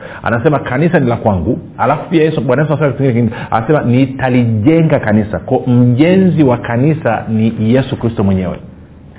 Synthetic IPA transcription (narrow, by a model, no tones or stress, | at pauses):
a̰nasɛmakanisanilakwaŋɡu | alafupiajɛsuɓwanaɛs̬asɛmasiŋɡinɛka̰nasɛmanitaliʄɛŋɡakanisa̰kɔm̩ʄɛnziwakanisa̰nijɛsukɾistɔmwɛɲɛwɛ̰